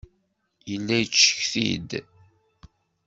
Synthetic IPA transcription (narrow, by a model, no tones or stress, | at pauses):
jəlːæjət͡ʃːə̥çθḭd̪